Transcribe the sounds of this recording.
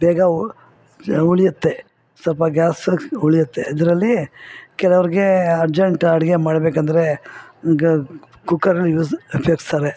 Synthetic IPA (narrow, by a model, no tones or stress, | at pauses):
bɛːɡɐ | uɭijut̪ːe̞ | sɐlpɐɡʲaːsuɭijɐt̪ːeɐd̪ɐɾɐlːikɛlɐʋɐɾiɡe̞ɐɾd͡ʒɐɳʈɐɽiɡemaːɽbeːkɐnd̪ɐɾe̞ | kukːɐɾɐlːjuːzɐpjɐːɡst̪aːɾe